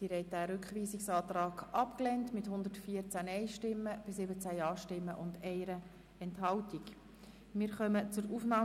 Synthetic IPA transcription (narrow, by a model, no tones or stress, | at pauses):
d̥iɾɛɪt̚dæːɾʏkχʋiːsiksɑːt̪rɑːɡʔɑpklɛntmɪthʊnd̪ətfiəɾt͡sænɛɪʃtɪmːəb̥ɪs̬ɪbət͡sæjɑːʃtɪmːəʔʊndɛɪɾə | ɛnthɑltik | mɪːɾχœmət͡sʊɾuːfnɑː